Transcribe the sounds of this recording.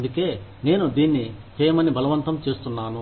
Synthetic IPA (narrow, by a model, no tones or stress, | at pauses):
nd̪uke̞ːne̞ːnud̪iːnːit͡ʃɛːjɐmɐnːibʱɐlɐʋɐnt̪ɐmt͡ʃe̞ːst̪unːaːnu